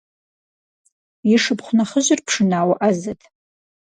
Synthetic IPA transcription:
iʂɨpʰχʷnaχəʒɪrpʰʂɨnaːwaʔazatʼ

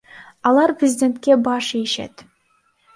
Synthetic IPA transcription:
ɑlˠɑɾprʲɪzʲɪd̪ʲe̞nt̪̚kʲe̞bɑʃieʃḛt̪

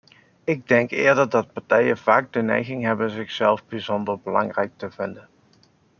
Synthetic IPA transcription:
ɪɡ̚dɛŋkɪːɹdəɹdɑt̚pɑɹtɛjəv̥aːɡ̚dənɛ̰jɣɪŋɦɛbənzɪχsɛlˠvbizɔndəɹbəlɑ̰ŋrɛjk̚təv̥ɪndən

